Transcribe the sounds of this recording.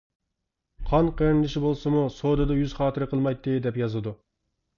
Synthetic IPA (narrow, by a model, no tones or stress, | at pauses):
qʰɑnqʰəɾɪnlˠɪʃibolˠsɨmusoːd̪ɨd̪ɑjyz̥χɑːt̪ʰɨɾɨqʰəlˠmɑjt̪ʰːɨd̪ɛpjɑzɨd̪u